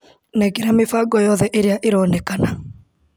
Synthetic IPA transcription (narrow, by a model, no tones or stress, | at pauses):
nɛɡeɾamefaɡɔjɔðɛʔeɾeaʔeɾɔnɛkana